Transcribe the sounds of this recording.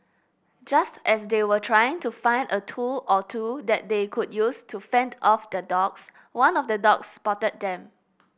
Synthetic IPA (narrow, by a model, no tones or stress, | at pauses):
d͡ʒastʔɛsdewətʰɹajɪ̃ŋtufãɪ̃ndətʰulɔtʰudɛt̚dekʰud̚justʰufɛ̃ndɔfdədɔks | wãnɔfdədɔkspɔtət̚dɛ̃m